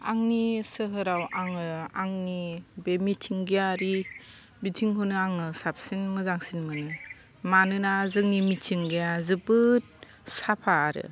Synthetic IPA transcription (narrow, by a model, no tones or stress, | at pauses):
aŋnisɯɦɯɾawaŋɯaŋnibemitʰiŋɡejaɾi | bitʰiŋhonɯaŋɯsap̚sinmɯzaŋsinmɯnɯ | manɯnazɯŋnimitʰiŋɡejazɯbɯt̚ | sapʰaːɾɯ̰